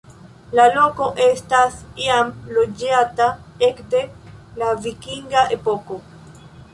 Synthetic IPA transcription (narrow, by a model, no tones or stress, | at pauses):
lalo̞ko̞ʔe̞stasiamlo̞d͡ʒataekde̞lavikiŋɡaʔe̞po̞ko̞